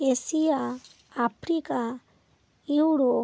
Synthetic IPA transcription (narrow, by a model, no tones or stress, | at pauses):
esijaː | pʰɾika | iwɾo